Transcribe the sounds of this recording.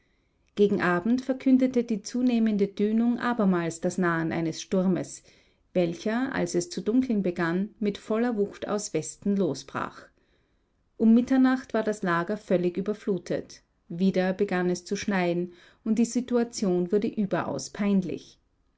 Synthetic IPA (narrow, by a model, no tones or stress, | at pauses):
ɡ̥eːɡŋ̩ʔaːbm̩tfɛɐkʰʏndətədiːt͡suːneːməndədyːnʊŋʔaːbɐmaːlsd̥asnaːənʔa̰ɪnəsʃtʊʁməs | v̥ɛlçɐʔa̰lsɛst͡sudʊŋkʰl̩n̩bəɡanmɪtfɔlɐvʊxtʰa̰ʊsv̥ɛstn̩loːsb̥ʁa̰ːx | ʔʊmːɪtɐnaχtv̥aːɐdaslaːɡɐfœlɪçʔyːbɐfluːtʰə̰t | viːdɐbəɡanɛst͡suʃnaɪn̩ | ʊnt̚d̥iːzituat͡sjoːnvʊɐdəʔyːbɐʔa̰ʊspʰaɪnlɪ̰ç